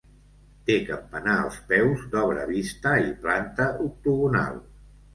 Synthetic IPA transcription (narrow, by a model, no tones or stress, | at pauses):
t̪ekəmpənaə̰lˠspɛwzd̪ɔβɾə̰βist̪əiplant̪əʔuk̚t̪uɣuna̰lˠ